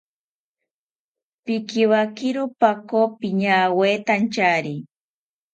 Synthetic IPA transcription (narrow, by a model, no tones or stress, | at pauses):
pɪkɪwakɪɾʊpakopɪɲaweːt̪ant͡ʃaːɾi